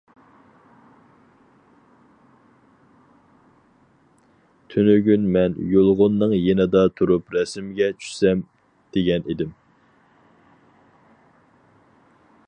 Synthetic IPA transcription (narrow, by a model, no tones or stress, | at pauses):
t̪ʰynyɡʲynmɛnjolˠʁʊnːɨŋjenɪd̪ɑt̪ʰuɾupɾɛsmɡʲɛt͡ʃʰy̥ʃsɛm | d̪̥eɡʲɛned̪ɪm